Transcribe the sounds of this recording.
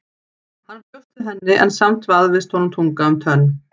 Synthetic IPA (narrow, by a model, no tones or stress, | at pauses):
hanːcœft̪ʏɦɛnːɪʔɛ̰nsamt̪vaðvɪst̪hɔnʏmt̪ʰuŋkaʏmt̪ʰœnː